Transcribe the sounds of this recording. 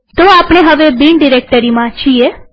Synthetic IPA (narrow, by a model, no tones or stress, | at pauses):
t̪oapɽ̃eɦəʋebiɳɖiɾek̚ʈəɾimãt͡ʃʰie